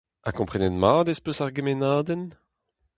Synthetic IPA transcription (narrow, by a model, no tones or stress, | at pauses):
akɔ̃pχɛnɛnmaːd̪espøsaʁɡemenaːd̪ɛn